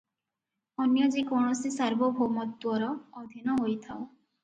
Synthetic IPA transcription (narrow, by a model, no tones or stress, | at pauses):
ɔnjɔd͡ʒikɔɳ̃ɔsisaɾbɔbʱomɔt̪ːwɔɾɔːd̪ʱinɔɦojt̪ʰaw